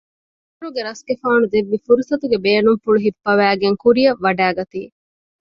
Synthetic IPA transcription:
uɾuɡeɾɐskefaːnud̪eʋːifuɾusɐt̪uɡebeːnuŋfuɭuɦipːɐʋæːɡeŋkuɾijɐʋːɐɖæːɡɐt̪ḭː

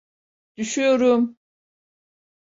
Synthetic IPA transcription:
d̪̥yʃyjoɾum

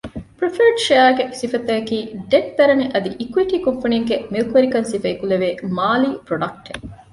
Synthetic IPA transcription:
pɾifɐɾɖʃeaɡesifɐt̪ːɐɐkiːɖeʈ̚d̪ɐɾɐniʔɐd̪iʔikuwiʈiːkompɐniŋɡemilukuʋɐɾikɐnsifɐːkuleʋeːmaːliːpɾoɖɐk̚ʈe

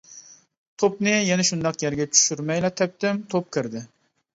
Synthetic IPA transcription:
t̪ʰopnɪjɛnɛʃund̪ɑqjæɾɡʲɛt͡ʃʰy̥ʃyɾmɛjlˠɛt̪ʰɛp̚t̪ɪmt̪ʰop̚kʲʰɪɾd̪ɪ

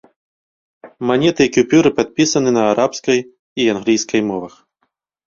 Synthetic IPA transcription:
manʲɛt̪ɨkʲupʲuɾɨpat̪̚pʲisɐnɨnɐːɾʔapskɐj | ianɣlʲijskɐjmɔʋɐx

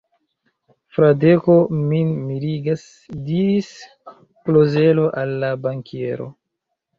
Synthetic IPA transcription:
fɾadeko̞minmiliɡas | diɾis | ploze̞lo̞ʔalːabaŋkʰe̞ɾo̞̰

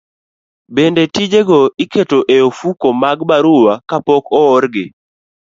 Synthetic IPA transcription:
bendetid͡ʒeɡɔiketoʔeofukomaɡbaɾʊwakapɔkɔɔɾɡɪ

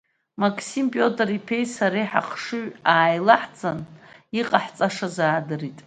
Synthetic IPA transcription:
makʼʰsimpʼo̞tʼripʰe̞jsaɾejħa̰qʰʂɨɥaːjlaħt͡sʼaniqʼaħt͡sʼaʂazaːdɨritʼ

